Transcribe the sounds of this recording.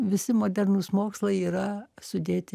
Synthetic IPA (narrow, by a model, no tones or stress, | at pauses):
ʋʲɪsʲɪmoːd̪ʲɛɾnusmoːkslˠɐɪiːɾɐsʊd̪ʲeːt̪ʲɪ